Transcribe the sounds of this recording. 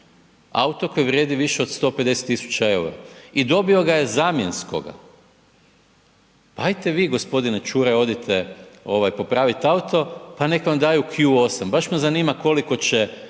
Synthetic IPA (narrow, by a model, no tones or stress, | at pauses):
a̰ut̪oko̞jʋɾʲjeːd̪iʋiʃeo̞d̪st̪o̞pe̞d̪e̞set̪ːisu̥t͡ɕae̞uɾa̰id̪o̞bioɡaje̞zaːmje̞nsko̞̰ɡa̰ | paajt̪eʋiːɡo̞spo̞d̪inet͡ʃuːɾeo̞d̪it̪ʰeo̞ʋajpo̞pɾaːʋit̪aut̪o̞pane̞kʋamd̪aːjukʰjuo̞sambaʃmuzaniːmako̞liko̞t͡ɕe